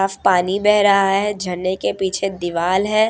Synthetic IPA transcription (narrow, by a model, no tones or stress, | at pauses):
aːfpaːnibɛɦɾɐɦaɦɛd͡ʒʱɐnːekepiːt͡ʃʰed̪ɪʋaːlɦɛː